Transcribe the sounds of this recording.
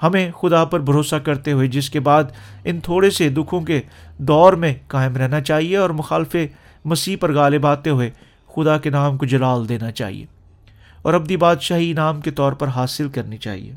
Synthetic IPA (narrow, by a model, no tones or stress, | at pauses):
hɐmẽxʊd̪apɐɾbʱɐɾoːsakɐɾt̪eɦʊed͡ʒɪskebaːd̪ɪnt̪ʰoːɽesed̪ʊkʰõked̪ɔːɾmẽkaːɪmɾɛɦnat͡ʃaːɦieɔːɾmʊxaːlfe | mɐsiːɦpɐɾɣaːlɪbaːt̪eɦʊe | xʊd̪akenaːmkod͡ʒɐlaːld̪eːnat͡ʃa̰ːɦḭḛː | ɔ̰ːɾɐb̚d̪ibaːd̪ʃaːɦinaːmket̪ɔːɾpɐɾɦaːsɪlkɐɾnit͡ʃa̰ːɦḭḛː